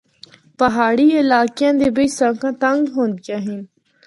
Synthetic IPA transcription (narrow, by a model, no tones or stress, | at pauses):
pɐɦaːɽiɪlaːkjãːnd̪ebesãkãt̪ɐŋɡɦõnd̪kaɦin